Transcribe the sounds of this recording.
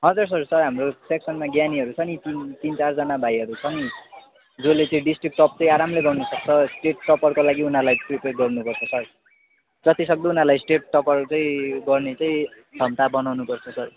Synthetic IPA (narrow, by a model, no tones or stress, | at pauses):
ɦʌ̃d͡zʌrs̬ʌrsʌrɦamroseksʌnmaɡjaniɦʌɾut͡sʰʌnit̪int̪int͡sard͡zʌnabʱajɦʌɾut͡sʰʌni | d͡zolet͡sʌĩɖisʈrik̚ʈʌp̚t͡sʌĩaɾamleɡʌnnusʌk̚t͡sʰʌsʈeʈːʌpʌrkolaɡiunalajʈripeʈ̚ɡʌrnupʌrt͡sʰʌsʌr | d͡zʌt̪isʌk̚d̪ounarlajsʈeʈ̚ʈʌpʌrt͡sʌĩɡʌrnet͡sʌĩ | d͡zʱʌmt̪abʌnawnupʌrt͡sʰʌsʌr